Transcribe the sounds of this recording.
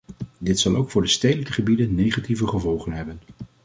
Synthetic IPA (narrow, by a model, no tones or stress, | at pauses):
dɪtsɑlˠowkfʊːɹdəstejdələkəχəbidənːejχativəχəvɔlˠχənɦɛbən